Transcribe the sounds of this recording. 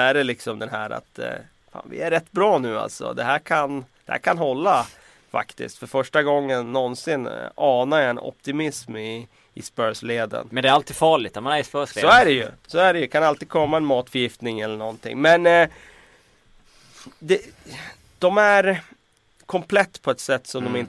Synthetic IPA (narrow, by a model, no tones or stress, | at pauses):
æɖɛlɪksɔmd̪ɛnɦæːɾa̰t̪ | fa̰ːnvɪ̰æɾɾɛt̪ːbɾɑːnʉ̟ːa̰lt̪sɔ̰d̪ɛɦæːɾkʰand̪̥ɛhæ̰ːɾkʰanɦɔlːa | fa̰kt̪ɪ̰skt̪fœɾfœʂʈaɡɔŋːənːɔnsɪnɑːnaɾjaɛnʔɔ̰pt̪ɪmɪsmɪ | ɪspœːɾsleːd̪ə̰nmɛnd̪ɛæɾalt̪iːd̪fɑːɭɪt̪ːamanæɾspœːseːsɔæɖɛjɵ̰sɔːæɖɛjɵkʰanalt̪iːd̪̚kʰɔmːaɛnmɑːt̪fœɾjɪft̪nɪŋɛlːəɳɔnt̪ʰɪ̰ŋːmɛn | d̪ɛ | d̪̥ɔmæɾ | kʰɔmpʰlɛt̪ːpʰɔɛt̪sɛt̪ːsɔmd̪ɔmɪnt̪